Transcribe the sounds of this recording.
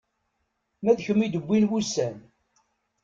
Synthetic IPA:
mæðçəmːid̪əbʷːinwusæn

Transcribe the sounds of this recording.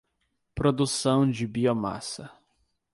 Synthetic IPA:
pɾod̪usɐ̃w̃d͡ʒɪbioma̰sɐ

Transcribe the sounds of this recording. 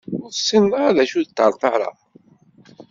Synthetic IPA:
ʊɾθsːənːəaðæʃuðət̪ːəɾˤθɑɾˤɑ̰

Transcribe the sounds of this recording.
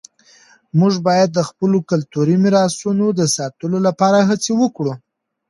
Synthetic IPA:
muʐbɑjad̪ːəxpəlokalt̪uɾimɪɾɑsunod̪əsɑt̪əlolapɑɾaɦat͡sewəkɽu

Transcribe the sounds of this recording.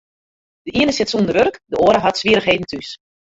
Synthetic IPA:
d̥əʔiənəsɪtsuəndəʋørəkdəoːɾəɦatsʋiəɾəxɦeːdn̩tʰys

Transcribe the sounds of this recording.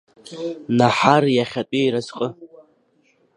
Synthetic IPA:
naħarjaχʲatʼiɾazqʼə

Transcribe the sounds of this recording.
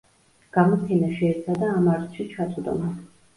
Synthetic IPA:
ɡ̥amɔp̪ʰɛnaʃɛːɾt̪sʰad̪aːmaɾt̪ʃit͡ʃʰat̪ʰʼud̪ɔ̰na

